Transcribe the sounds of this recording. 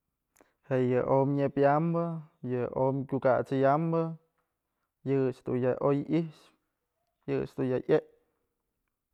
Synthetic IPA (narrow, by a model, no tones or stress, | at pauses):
hejəʔomɲepjambəjəomkʲukat͡sɨjambə | jɨt͡ʃd̪ujaʔojiʃ | jɨ̰t͡ʃd̪ujaʔeʔ